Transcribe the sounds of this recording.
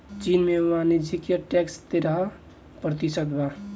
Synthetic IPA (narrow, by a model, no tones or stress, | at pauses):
t͡ʃinmeuanid͡ʒikjeʈɛkst̪eɾaɦ | pɾət̪isət̪ba